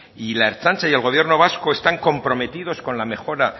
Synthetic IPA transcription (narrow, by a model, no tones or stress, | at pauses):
ilae̞ɾt͡ʃant͡ʃaje̞lɣo̞β̞je̞ɾno̞β̞asko̞e̞st̪aŋko̞mpɾo̞me̞t̪ið̞o̞sko̞nlame̞xo̞ɾa